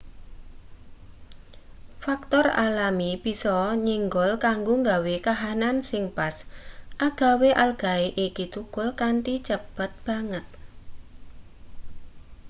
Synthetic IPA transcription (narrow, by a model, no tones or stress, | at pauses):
fak̚t̪ɔra̰lamib̥i̤sɔɲiŋɡɔlkaŋɡoŋɡawekaɦanansɪŋpasʔaɡ̥a̤weʔalɡ̥a̤eʔikit̪ukʊlkant̪it͡ʃəb̥ət̪̚b̥a̤ŋət̪̚